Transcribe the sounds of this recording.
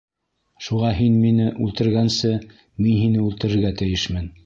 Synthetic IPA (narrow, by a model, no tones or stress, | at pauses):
ʃuʁɑɦinminɘʔʉlt̪ɘ̆ɾɡænsɘ | minɦinɘʉlt̪ɘ̆ɾɘ̆ɾɡæt̪ɘ̆jɘʃmɘn